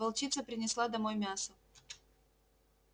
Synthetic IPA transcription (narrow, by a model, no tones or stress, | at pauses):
vɐlˠt͡ɕit̪səpɾʲɪnʲɪslˠad̪ɐmojmʲasə